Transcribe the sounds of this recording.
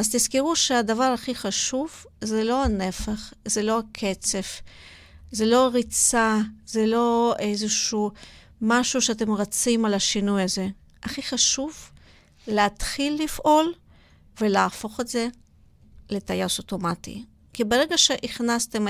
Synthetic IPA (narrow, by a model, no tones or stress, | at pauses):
azt̪izkiʁuʃeadavaʁaχiχaʃuv | zelo̞ane̞faχzelo̞akʰe̞t͡se̞f | zelo̞aʁit͡sazelo̞ejzeʃu | maʃuʃeat̬e̞mʁat͡simalaʃinujaze̞ | aχiχaʃuv | leatχilːifʔo̞l | ve̞leafo̞χetze̞ | le̞tajasoto̞matḭ | kibeʁeɡaʃe̞ʔiχnaste̞m